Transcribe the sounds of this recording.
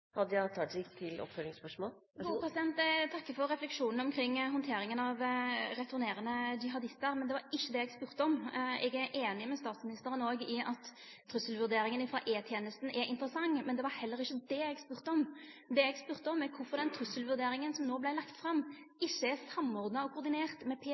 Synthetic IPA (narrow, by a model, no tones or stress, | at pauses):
hɑd̪ːəjæt̪ʰɑd͡ʒɪkt̪ʰɪlɔ̰pfœlɪŋspœʂmoːlː | pʰɾɛsɪd̪ɛnt̪t̪ʰɑkːəfɔɾɾɛflɛkʂuːnn̩ɔmkʰɾɪŋːɦɔnt̪ʰeːɾɪŋənɑʋɾɛt̪ʊɾneːɾənəd͡ʒɪɦɑd̪ɪst̪əɾmɛnd̪ɛʋɑɾɪçːəd̪ɛɛɡspʉːɾt̪əɔmɛɡæɾʔeːnɪmɛst̪ɑːt̪smɪnɪst̪əɾənoːɡɪɑt̪ʰː | ɾʉsəlʋʉɾd̪eːɾɪŋənɪfɾɑ̰ːʔeːt̪ʰjeːnəst̪n̩ʔɛɾʔɪ̰nt̪əɾəsɑŋːmɛnd̪ɛʋɑɾhɛlːəɾɪçːəd̪ɛɛɡspʉːɾt̪əɔm | d̪ɛɛɡspʉːɾt̪əɔmɛkʰʊfɔɾd̪ɛnt̪ʰɾʉsəlʋʉɾd̪eːɾɪŋənsɔmnoːblæɪlɑkt̪fɾɑm | ɪçːəɛsɑmːɔʁd̪nɑɔkʰʊɾd̪ɪneːʁt̪mɛpʰeː